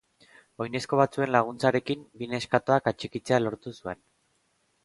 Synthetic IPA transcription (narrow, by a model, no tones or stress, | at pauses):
o̞jne̞sko̞βat͡sue̞nlaɣ̞unt͡saɾe̞kimbine̞skat̪o̞akat͡ʃikit͡se̞alo̞ɾt̪usue̞n